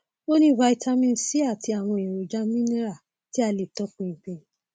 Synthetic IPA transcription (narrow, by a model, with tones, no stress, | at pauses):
o˦nĩ˦va˧˦i˧ta˧mĩ˧n̩˦si˦a˦˨ti˧a˨w̃ɔ̃˧e˨ɾo˨d͡ʒa˦mĩ˦ne˦ɾa˦˨ | ti˦a˧le˨tɔ˨˦kũ˧˨k͡pẽ˧